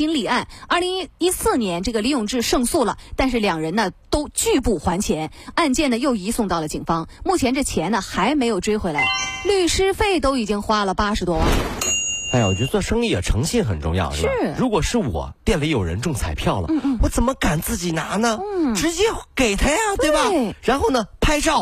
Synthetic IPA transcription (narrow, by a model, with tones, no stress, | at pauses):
i˥nli˨˩a˥˩nɐ˞˥˩li˧˥ŋi˥i˥sɹ̩˥˩njɛ˧˥nʈ͡ʂɤ˥˩ɡə˩li˧˥jʊ˨˩ŋʈ͡ʂɻ̩˥˧ʂɤ˥˧ŋsu˥˩lə̰˩t̪a˥˧nʂ̬ɻ̩˥˩ljɑ˨˩ŋɻə˧˥nnə˧t̪o˥ʊt͡ɕy˥˧pu˥˩xwa˧˥nt͡ɕʰjɛ˧˥n | a˥˧nt͡ɕjɛ˥˩nd̪ə˩jo˥˩ʊi˧˥sʊ˥˧ŋt̪ɑ˥˩ʊlə˩t͡ɕḭ˨˩ŋfɑ˥ŋmu˥˩t͡ɕʰjɛ˧˥nʈ͡ʂɤ˥˩t͡ɕʰjɛ˧˥nə˧xa˧˥ɪme˧˥ɪjo˨˩ʊʈ͡ʂwe˥ɪxwe˧˥ɪla˧˥ɪly˥˩ʂɻ̩˥fe˥˩ɪt̪o˥ʊi˨˩t͡ɕi˥ŋxwa˥lə˨pa˥ʂɻ̩˧˥t̪wɔ˥wa̰˥˩˥na˥j̰wɔ̰˨˩t͡ɕɥɛ˧˥t͡swɔ˥˩ʂɤ˥ŋli˥˩ə̰˨˩ʈ͡ʂʰɤ˧˥ŋɕɛ˥˩nxə˨˩nʈ͡ʂʊ̰˥˧ŋjɑ̰˥˩˧ʊʂʂɻɻu˧˥kwɔ˨˩ʂɻ̩˥˩wɔ̰˨˩pjɛ˥˩nlə˧˥˩jo˨˩ɻə̰˧˥nʈ͡ʂʊ˥˩ŋt͡sʰa˨˩ɪpʰjɑ˥˩ʊlə̰˥˧˥wɔ˧˥t͡sə˨˩nmə˦ka˨˩nt͡sɹ̩˥˩t͡ɕi˨˩na˧˥nə˧n̩˥˩ʈ͡ʂɻ̩˧˥t͡ɕjɛ˥ke˨˩ɪt̪ʰa˥ja˨˧t̪we˥˩˥bɐ˨˩ɻa˧˥nxo˥˩ʊnə˩pʰa˥ɪʈ͡ʂɑ˥˩ʊ